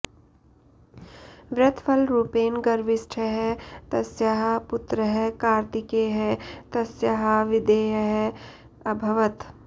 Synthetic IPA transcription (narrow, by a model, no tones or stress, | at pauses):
ʋɾɐt̪ʰfʰɐlɾuːpeːnɡɐɾʋɪsʈʰəɦɛt̪ɐsjaɦɐpʊt̪ɾəɦɛkaːɾt̪ɪkeɦɛt̪ɐsjaɦɐʋɪd̪eːjɐɦɛ | ɐbʱɐʋət̪